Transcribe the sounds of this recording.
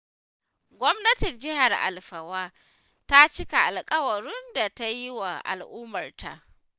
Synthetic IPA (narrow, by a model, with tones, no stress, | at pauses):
ɡʷɔ˦mnɐ˦tɪ˨nd͡ʒɪ˦ɦa˨rʔa̰˨lɸɐ˨waː˦ | ta˦t͡ʃɪ˦ka˨ʔa˨lkʼɐ˦wɐ˨ɾʊ˦nda˨ta˦ji˦wa˨ʔa̰˨lʔʊː˦mɐ˨rtʰa̰˨ʔ